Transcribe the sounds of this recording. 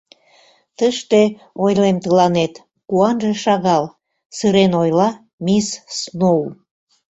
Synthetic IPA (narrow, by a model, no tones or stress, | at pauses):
t̪əʃt̪e | ojlemt̪əlɑnet̪ | kuɑnʒeʃɑɣɑl | sɨɾenojlɑ | missnou